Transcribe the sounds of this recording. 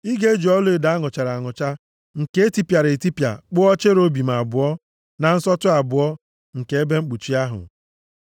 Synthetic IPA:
i˦ɡe˦d͡ʒu˨ɔ˦lʊ˦e˨da˨˦ŋʊ˨t͡ʃa˨ɾa˨ŋʊ˨t͡ʃa˦ | ŋ̩˨ke˦ti˦pja˨ɾe˨ti˦pja̰˨k͡pʊ˦ɔ˦t͡ʃe˦ɾo˦bi˨m̩˨a˨bʊ˨ɔ˦ | na˨n̩˦sɔ˦tʊ˦a˨bʊ˨ɔ˦ | ŋ̩˨ke˨˦e˦be˦ŋ͡m̩˦k͡pu˨t͡ʃi˦a˦ɦʊ̰˨

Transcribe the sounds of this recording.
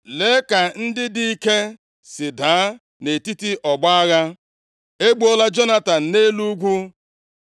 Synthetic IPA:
le˨˦ka˨n̩˦dɪ˦di˦i˦ke˦ | sɪ˨daː˨˦ | ne˨ti˦ti˦ʔɔ˨ɡ͡ba˦ɣa˦ | e˦ɡ͡bo˦la˦d͡ʒo˦na˦ta˨n̩˨ne˦lu˦ɡʷu˦

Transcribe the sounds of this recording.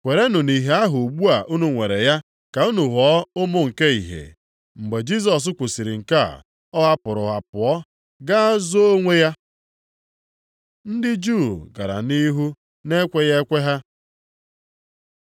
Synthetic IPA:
kʷe˨ɾe˦nu˨ni˨ɦe˦a˦ɦʊ˨ɡ͡bu˦a˨ʔu˦nu˨ŋʷe˨ɾe˨ja˦ | ka˨u˦nu˨ɦɔ˦ʊ˦mʊ˨ŋ̩˨ke˦i˨ɦḛ˨ | ŋ͡m̩˨ɡ͡be˨d͡ʒi˦s̬ɔ˨s̬ʊ˦kʷu˨si˨ɾi˨ŋ̩˨ka̰˦˨ | ɔ˦ɦa˦pʊ˨ɾʊ˨ɦa˨pʊ˨ɔ˦ | ɡa˦zo˦o˦ŋʷe˦ja˦ | n̩˦dɪ˦d͡ʒu˦˨ɡa̰˨ɾa̰˨ni˦ɦu˦ | ne˦kʷe˦ɣe˦kʷe˦ɦa˦

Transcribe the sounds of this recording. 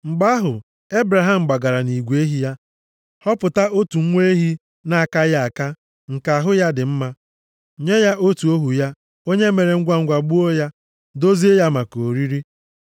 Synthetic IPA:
ŋ͡m̩˨ɡ͡ba˦ɦʊ˨ | e˦bɾa˨ɦa˦m̩˨ɡ͡ba˨ɡa˨ɾa˨ni˨ɡʷe˦ɦi˨ja˦ | hɔ˦pʊ˨ta˦o˦tu˨ŋ̩˦ŋʷe˦ɦi˦ | na˦˨ka˦ja˦a˨ka˦ | ŋ̩˨ka˨a˨ɦʊ˦ja˦dɪ˨m̩˦ma˦ | ɲe˦ja˦ʔo˦tu˨o˦ɦu˨ja˦ | o˦ɲe˦me˨ɾe˨ŋ̩˦ɡʷa˦ŋ̩˦ɡʷa˨ɡ͡bu˦o˦ja˦ | do˦zi˦e˦ja˦ma˨ko˨ɾi˦ɾi˦

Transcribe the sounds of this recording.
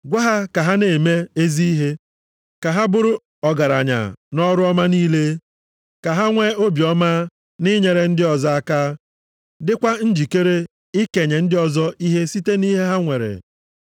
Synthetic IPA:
ɡʷa˦ɦa˦ka˨ɦa˦ne˨me˦e˦zi˦i˦ɦe˦ | ka˨ɦa˦bʊ˦ɾʊ˦ | ɔ˨ɡa˨ɾa˨ɲa̰˨nɔ˦ɾʊ˦ɔ˦ma˦niː˦le˦ | ka˨ɦa˦ŋʷe˦o˦bjɔ˦ma˦ | ni˦ɲe˨ɾe˨n̩˦dɪ˦ɔ˨zɔ˦a˦kaː˦ | dɪ˦kʷa˦n̩˦d͡ʒi˨ke˦ɾe˦ | i˦ke˨ɲe˨n̩˦dɪ˦ɔ˨zɔ˦i˦ɦe˦si˦te˦ni˦ɦe˦ɦa˦ŋʷe˨ɾḛ˨

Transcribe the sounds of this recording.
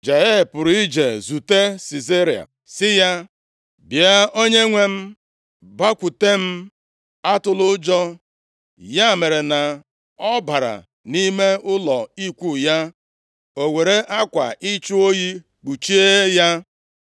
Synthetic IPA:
d͡ʒa˨je˦˨pʊ˨ɾi˦d͡ʒe˨zu˨te˦si˨ze˦ɾi˨a̰˨ | sɪ˦ja˦ | bi˨a˦o˦ɲe˦ŋʷe˦m̩˦ | ba˦kʷu˨te˦m̩˦ | a˦tʊ˨lʊ˦d͡ʒɔ˦ | ja˦˨me˨ɾe˨na˨ | ɔ˦ba˨ɾa̰˨ | ni˦me˦ʊ˦lɔ˨i˦kʷu˦˨ja˦ | o˨ŋʷe˨ɾe˦ʔa˦kʷa̰˨ʔi˦t͡ʃu˦o˦ji˦ | k͡pu˨t͡ʃi˦e˦ja˦

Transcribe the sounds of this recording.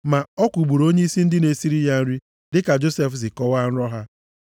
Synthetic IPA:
ma˨ɔ˦kʷu˨ɡ͡bu˨ɾo˦ɲe˦i˦si˦n̩˦dɪ˦ne˨si˦ɾi˦ja˨n̩˦ɾi˦ | dɪ˦ka˨d͡ʒo˦se˦fzɪ˨kɔ˦wa˦n̩˦ɾɔ˦ɦa˦

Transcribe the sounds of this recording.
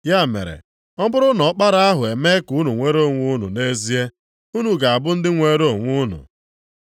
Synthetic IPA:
ja˦˨mḛ˨ɾḛ˨ | ɔ˦bʊ˦ɾʊ˦nɔ˨ɔ˦k͡pa˦ɾa˦a˦ɦʊ˨e˨me˦ku˦nu˨ŋʷe˦ɾo˦˨ŋʷu˦nṵ˨ne˦zi˦e˦ | u˦nu˨ɡa˨a˨bʊ˦n̩˦dɪ˦ŋʷe˦ɾo˦˨ŋʷu˦nṵ˨

